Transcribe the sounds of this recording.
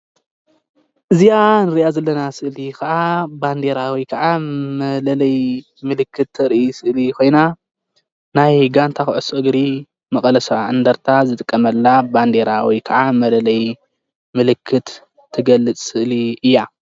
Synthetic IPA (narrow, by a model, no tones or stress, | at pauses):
ʔɨzijanɨɾiʔazɐlːɐnasɨʔlikʰɐʔaband̪e̞ɾawikʰɐʕamɐlɐlɐj | mɨlɨkːɨt̪ʰːɐɾʔisɨʔlikʰo̞jna | najɡant̪ʰaxʕɨsoʔɨɡɾi | mɐkʼɐlɐsʕɨnd̪ɐɾt̪ʰazɨt̪ʼɨkʼːɐmɐlːaband̪e̞ɾawikʰɐʕamɐlɐlɐj | mɨlɨkʰːɨt̪ʰː | ɨɡɐlːɨt͡sʼsɨʔliʔɨjːa